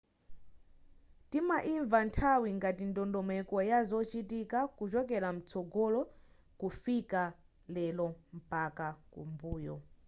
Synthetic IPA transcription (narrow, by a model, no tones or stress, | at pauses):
timaʔiɱvantʰawiŋɡatindɔndɔmɛkɔjazɔt͡ʃitikakut͡ʃɔk̬ɛlam̩t͡sʰɔɡɔlɔ | kufika | lɛlɔm̩pakakṵmbuːjɔ